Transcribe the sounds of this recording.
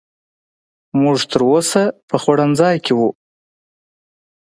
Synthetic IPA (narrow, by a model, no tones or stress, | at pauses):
muʐt̪ʰəɾosapəχwaɽand͡zɑjkʰɪwu